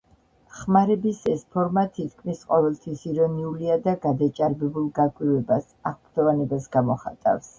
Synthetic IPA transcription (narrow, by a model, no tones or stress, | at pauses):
χmaɾɛbisɛspʰɔɾmat̪ʰit̪ʰkʰmisqʼɔvɛlˠt̪ʰwisiɾɔniuliad̪aɡad̪at͡ʃʼaɾbɛbulˠɡakʼwivɛbas | aʁbɾd̪̥ɔvanɛbasɡamɔχa̰t̪ʼa̰fs